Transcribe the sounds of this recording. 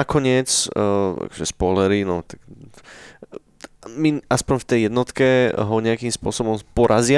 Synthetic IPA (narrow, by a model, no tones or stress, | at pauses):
akɔɲɪɛt͡sa̰kɔ̥ʒɛspɔlɛɾinɔt̪ak | miaspɔɲft̪ɛjjɛd̪nɔt̪kɛɦɔɲɛakiːmspʊɔsɔbɔmpɔɾʔazɪa